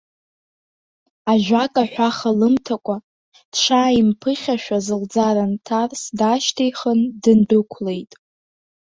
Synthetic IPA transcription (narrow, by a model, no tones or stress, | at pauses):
aʒᶣʷakʼaħᶣʷaχalɨmtʰakʷʼa | d̥ʂʰaːimpʰɨχʲaʃᶣazɨld͡zaɾantʰarsdaʃtʰejχəndɨndɨkʷʰlejtʼ